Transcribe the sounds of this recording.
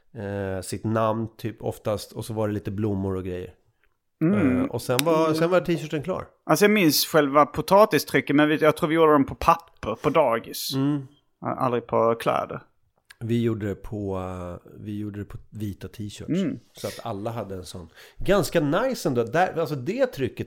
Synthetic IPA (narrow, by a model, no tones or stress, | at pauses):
sɪt̪namnt̪ʰyːpʰɔ̰ft̪ast̪ʰɔsɔvaɖɛliːt̪əblʊmːʊɾɔɡɾɛjːə̰ɾ | ɔsɛnvasɛnvaʈʰiːɕœːʈənkʰlɑ̰ːɾ | ʔalsɔjɑːɡmɪnsɧɛlvapʰʊt̪ʰɑːt̪ɪst̪ʰɾʏkːəmɛnvɪjɑɡt̪ʰɾuːɾvɪjuːɖ̪əd̪ɔmpʰɔpʰapːəɾpʰɔd̪ɑːɡɪsmm̩ː | a̰lɾɪpʰɔkʰlɛ̰ːd̪ə̰ɾ | vɪjuːɖəd̪ɛpʰɔ | vɪjuːɖəd̪ɛpʰɔviːt̪at̪ʰiːɕœ̰ːʈsɔat̪ʰa̰lːaɦad̪ːəɛnsɔnːɡanskanajsɛnd̪oːd̪æalsɔd̪ɛt̪ʰɾʏkːə